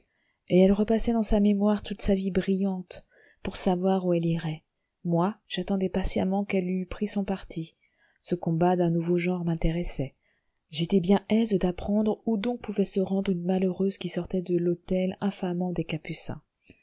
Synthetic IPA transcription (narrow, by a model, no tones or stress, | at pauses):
eɛlʁəpasɛd̪ɑ̃samemwaʁt̪ut̪savibʁijɑ̃t̪ | puʁsavwaʁuɛliʁɛ | mwaʒ̥at̪ɑ̃d̪ɛpasja̰mɑ̃kɛlypχisɔ̃paʁt̪ʰi | səkɔ̃bad̪ɛ̃nuvoʒɑ̃ʁmɛ̃t̪eʁɛsɛ | ʒet̪ɛbjɛ̃ʔɛzd̪apχɑ̃d̪ʁud̪ɔ̃k̚puvɛsəʁɑ̃d̪ʁynmaløʁøzkʲisɔʁt̪ɛd̪əlot̪ɛlɛ̃famɑ̃d̪ekapysɛ̰̃